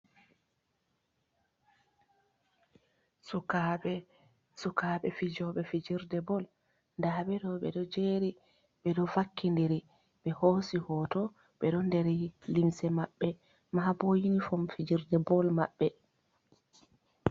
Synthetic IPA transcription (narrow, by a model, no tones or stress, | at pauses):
sukaɓɛ | sukaɓɛfid͡ʒɔɓɛfid͡ʒiɾdɛbɔl | ndaɓɛdɔɓɛ̰ɗɔd͡ʒeːɾi | ɓɛɗɔfakːindiɾi | ɓɛhosihɔtɔ | ɓɛɗɔndɛɾilimsɛmaɓːɛ | maabojinifɔmfid͡ʒiɾdɛbɔlmaɓːɛ